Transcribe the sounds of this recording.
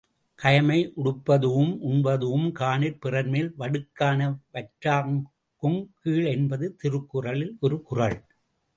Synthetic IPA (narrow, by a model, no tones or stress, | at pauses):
kɐjɐmɐɪʔʊɽɯpːɐðɯʋɯmʔʊnbɐðɯʋɯmkaːnɪɾpɪrɐɾmeːlʋɐɽɯkːaːnɐʋɐʈɾaːŋ | kɯmkiːɭɛnbɐðɯt̪ɪɾɯkːɯrɐɭɪlʔɔɾɯkʊrɐɭ